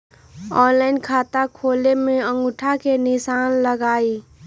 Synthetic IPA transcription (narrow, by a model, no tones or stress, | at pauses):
ɔːnlaːɪnkʰaːt̪akʰoːlemẽə̃ŋɡʊʈʰakenɪsaːnləɡaːiː